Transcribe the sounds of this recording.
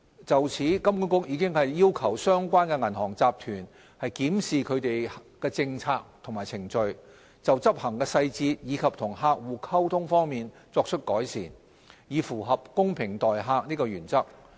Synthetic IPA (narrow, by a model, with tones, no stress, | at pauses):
t͡sɐ˨wt͡sʰiː˨˥kɐ˥mkuː˨˥nkʊ˥k̚jiː˨˧kɪ˥ŋhɐ˨jːiː˥wkʰɐ˨˩wsœː˥ŋkʷaː˥nkɛ˧ŋɐ˨˩nɦɔː˨˩ŋt͡saː˨p̚t̪ʰyː˨˩n | hɐ˨jkiː˨˥msiː˨kʰɵ˨˧ɥt̪e˨jhkɛː˧t͡sɪ˧ŋt͡sʰaː˧k̚t̪ʰʊ˨˩ŋmaː˨˩jt͡sʰɪ˨˩ŋt͡ʃɵ˧ɥ | t͡sɐ˨wt͡sɐ˥p̚hɐ˨˩ŋkɛː˧sɐ˧jt͡siː˧t̚jiː˨˧kʰɐ˨p̚t̪ʰʊ˨˩ŋɦaː˧k̚wuː˨kʰɐ˥wt̪ʰʊ˥ŋfɔː˥ŋmiː˨n | t͡sɔː˧k̚t͡ʃʰɵ˥t̚kɔː˨˥jsiː˨˩n | jiː˨˧fuː˨˩ɦɐ˨p̚kʊ˥ŋpʰɪ˨˩ŋt̪ɔː˨jɦaː˧k̚niː˥kɔː˧jyː˨˩nt͡sɐ˥k̚